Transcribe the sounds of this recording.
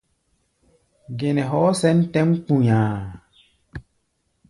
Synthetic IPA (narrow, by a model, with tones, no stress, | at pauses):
ɡe˨nɛ̃˨ɦɔ˨˦sɛ˦n˦tɛ̃˦m˦k͡pũ˨ɲãː˨